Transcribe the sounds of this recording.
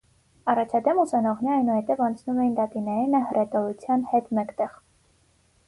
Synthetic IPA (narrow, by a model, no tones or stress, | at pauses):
ɑrɑt͡ʃʰɑd̪ɛmusɑnɔʁnɛɑjnuhɛt̪ɛvɑnt͡sʰnumɛjind̪ɑt̪inɛjinəhəɾʔɛt̪ɔɾut͡sʰjɑnhɛt̪mɛkt̪ɛʁ